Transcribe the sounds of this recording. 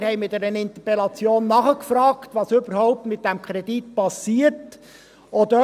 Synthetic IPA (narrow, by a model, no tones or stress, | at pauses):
ɾhɛɪmɪdɛɾənɪnt̪əpɛlɑt͡sjoːnːɑχəkfɾɑːktvɑːsøbəɾɦɔʊp̚tmɪt̚d̥ɛmkʰχɾɛd̥itpɑsiːəɾt | od̪ø